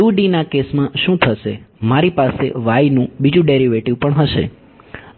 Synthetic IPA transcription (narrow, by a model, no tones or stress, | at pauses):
uɖinakesmãʃũt̪ʰəʃemaɾipasḛʋajnũbid͡ʒũɖeɾiʋeʈiʋpəɳɦəʃḛ